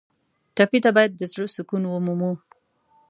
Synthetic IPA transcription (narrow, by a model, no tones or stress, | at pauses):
ʈapit̪abɑjad̪̚ːəzɽosʊkunwəmumu